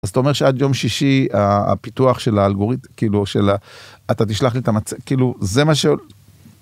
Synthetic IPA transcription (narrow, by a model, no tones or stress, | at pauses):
azat̪aome̞ʁʃead̪jo̞mʃiʃia̰pituaχʃe̞laːlɡo̞ʁit̪kiːluʃelaat̪at̪̬iʃlaχlit̪amat͡sekiːluze̞maʃeo